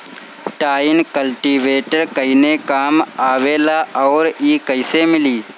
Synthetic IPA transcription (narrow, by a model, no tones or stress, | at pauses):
ʈaːɪnkəlʈiːʋeːʈəɾkəɪnekaːmaːʋelaʔɔːɾiːkəɪsemɪliː